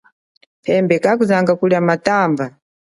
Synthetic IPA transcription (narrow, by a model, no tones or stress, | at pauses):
pʰɛmbɛkak̬uzaŋɡakuljamataːmva